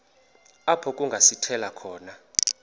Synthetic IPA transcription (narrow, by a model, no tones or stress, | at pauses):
apʰɔkʼuŋɡʱasitʰɛlakʰɔːna